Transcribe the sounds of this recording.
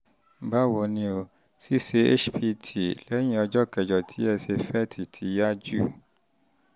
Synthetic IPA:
ba˦˨wɔ˨nĩ˧o˧ | si˦se˧ḛ˦ʃpi˦tʰi˨lɛ˨˦j̃ĩ˦ɔ˧d͡ʒɔ˦kɛ˨d͡ʒɔ˨tʰi˦ɛ˧se˧fɛ˦˨tʰi˨tʰi˨˦ja˦d͡ʒu˦˨

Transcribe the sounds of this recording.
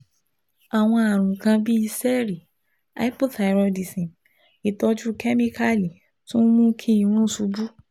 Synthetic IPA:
a˨w̃ɔ̃˧a˨ɾ̃ũ˨kã˧bi˦i˧sɛ˦ɾi˨ | a̰˦i˦pɔ˦da˨ɾɔ˧di˨sĩ˨ | i˨tɔ˧d͡ʒu˦kɛ˦mĩ˦kʰa˦li˨ | tũ˦mũ˦kʰi˦i˨ɾ̃ũ˦su˧bu˦

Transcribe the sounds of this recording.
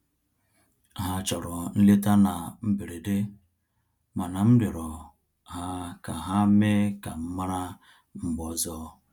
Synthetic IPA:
ɦa˨t͡ʃɔ˨ɾɔ˨n̩˦li˦ta˦na˨m̩˦be˨ɾe˨de˦ | ma˨na˨m̩˦de˨ɾɔ˨ | ɦa˦ka˨ɦa˦me˦ka˨m̩˦ma˦ɾa˦ | m̩˦bɔ˨zɔ˦

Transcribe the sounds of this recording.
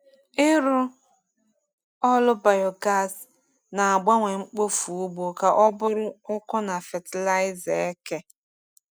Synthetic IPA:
ɪ˦ɾʊ˦ | ɔ˦lʊ˦ba˨jɔ˨ɡa˦˨s | na˨a˨ɡ͡ba˦ŋʷe˨ŋ͡m̩˦k͡po˦fu˨u˦ɡ͡bo˨ka˨ʔɔ˦bʊ˦ɾʊ˦ʊ˦kʊ˦na˨fe˨tɪ˨la˦ɪ˦ze˨e˦ke˦

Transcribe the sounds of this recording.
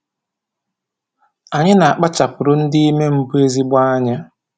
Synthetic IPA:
a˨ɲɪ˦na˨a˨k͡pa˦t͡ʃa˨pʊ˨ɾʊ˦n̩˦dɪ˦i˦me˦m̩˦bu˦e˦zi˦ɡ͡bʷa˦a˦ɲa˦

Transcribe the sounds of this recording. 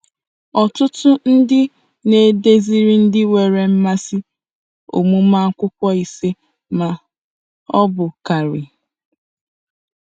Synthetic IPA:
ɔ˨tʊ˦tʊ˦n̩˦dɪ˦ | ne˨de˦zi˦ɾi˦n̩˦dɪ˦we˨ɾe˨m̩˦ma˦si˦ | o̰˨mu˦ma˦ŋ̩˦kʷʊ˦kʷɔ˦i˨se˦ | ma˨ | ɔ˦bʊ˨ka˨ɾɪ˨

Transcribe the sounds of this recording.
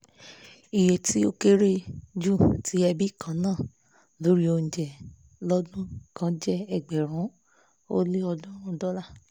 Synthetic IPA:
i˨je˨ti˨˦o˦ke˦ɾe˦d͡ʒu˦˨tʰi˨˦ɛ˧bi˦˨kã˨˦nãː˦˨ | lo˨˦ɾi˦o˧n̩˨d͡ʒɛ˨ | lɔ˦dũ˦kã˦d͡ʒɛ˦ɛ˦˨ɡ͡bɛ˨ɾ̃ũ˨˦ | o˦le˦ɔ˧dɔ̃˦ɾ̃ũ˦dɔ˦la˦˨

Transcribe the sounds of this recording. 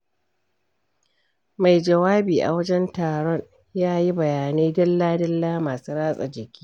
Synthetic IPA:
ma˨jd͡ʒɐ˨waː˦biː˨ʔa̰˨wɐ˦d͡ʒɛ˦ntaː˨ɽɔ˦ɲ | jaː˦ji˦bɐ˨jaː˨neː˦dɐ˦lːaː˦dɐ˦lːaː˦maː˨suː˦ɾaː˦sʼa̰˨d͡ʒɪ˨kʲi̥ː˦

